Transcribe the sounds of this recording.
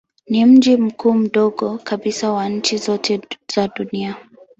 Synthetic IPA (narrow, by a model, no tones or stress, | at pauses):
nim̩d͡ʒim̩kuːm̩ɗɔɡɔkaɓisawaɲ̩t͡ʃizɔtʰɛz̥aɗunia